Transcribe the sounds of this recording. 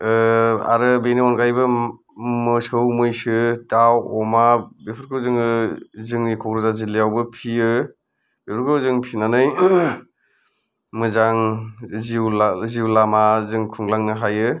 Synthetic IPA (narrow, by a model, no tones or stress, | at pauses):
a̰ɾɯbeniɔnkajbɯ | mɯsɯwmɯjsɯtawɔmabepʰɯɾkʰɯwzɯŋɯzɯŋnikʰɔkɾɯzazilijawbɯpʰiɯ | bepʰɾkʰɯwzɯŋpʰinanɯj | mɯzaŋziwlaziwlamazɯŋkʰuŋlaŋnɯɦajɯ